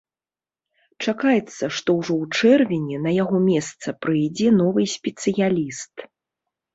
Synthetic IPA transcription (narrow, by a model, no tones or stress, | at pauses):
t͡ʂakajɛt̪sːɐʂt̪ɔwʐɔwt͡ʂɛrvʲinʲɛnɐjaɣɔmʲɛst̪sɐpɾɨjd͡zʲɛnɔvɨsʲpʲɛt̪sɨjalʲist̪